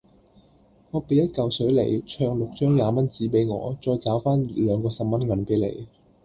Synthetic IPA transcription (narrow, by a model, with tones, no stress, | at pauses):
ŋɔː˨˧pe˨˧jɐ˥t̚kɐ˨wsɵ˨˥jlḛ˨˩jt͡ʃʰœː˧ŋlʊ˨k̚t͡ʃœː˥ŋjaː˨˧mɐ˥nt͡siː˨˥pe˨˥jŋɔ̰ː˨˧t͡ʃɔː˧jt͡saː˨˥wfaː˥nlœː˨˧ŋkɔː˧sɐ˨p̚mɐ˥nŋɐ˨˥npe˨˥jlḛ˨˧j